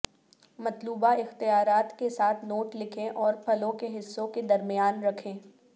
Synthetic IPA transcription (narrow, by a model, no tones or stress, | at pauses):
mɐt̪luːbaɪxt̪ijaːɾaːt̪kesaːt̪ʰnoːʈlɪkʰẽʔɔːɾpʰɐlõkeɦɪsːõked̪ɐɾmɪjaːnɾɐkʰẽː